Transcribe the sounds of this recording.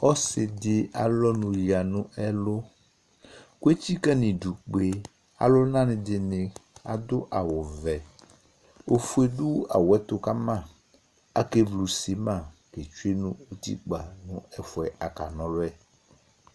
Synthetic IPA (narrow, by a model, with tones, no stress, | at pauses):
ɔ˦sɪ˨dɪ˨a̰˨lɔ˦nũ˨ji˨a˨nũ˦ʔɛ˦lo˦ | ku˦e˦t͡ɕi˦kɛ˦nĩ˨du˨k͡pe˨ | a̰˨lʊ˦nã˦nɪ̃˨dɪ˨nɪ̃˨a̰˨d̪ʊ˦ʔa˨wʊ˨vɛ˨ | o˦fu˦e˦ɖu˦a̰˨wɛ˦t̪ʊ˦ka˦mã˦˨ | a˨ke˦vlu˨si˨mã˦˨ke˨t͡ʃu˦e˦nũ˦o˦t̪ḭ˦k͡pa˨nũ˦ɛ˦fʊ˨ɛ˨ʔa˨ka˨nɔ̃˨˦lɛ˦